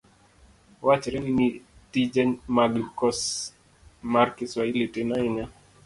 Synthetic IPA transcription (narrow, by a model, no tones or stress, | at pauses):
wat͡ʃɛɾɛninitid͡ʒɛnmaɡkɔs | maɾkiswailitinaiɲa